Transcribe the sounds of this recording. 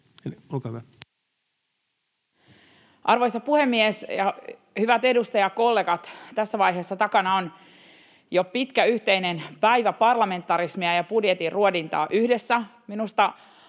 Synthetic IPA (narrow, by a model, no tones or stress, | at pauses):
eliolkɑhyʋæ | ʔɑrʋo̞jsɑpuhe̞mːiesjɑ | hyʋæt̪e̞dust̪ɑjɑko̞lːe̞ːɡɑt̪t̪æsːæʋɑjɦeːsːɑt̪ɑkɑnɑon | jopit̪kæyht̪einenpæjʋæpɑrlɑme̞nt̪ːˑɑɾismiɑjɑpudjet̪irruodint̪ɑ̰ːʔyhdesːæminust̪ɑ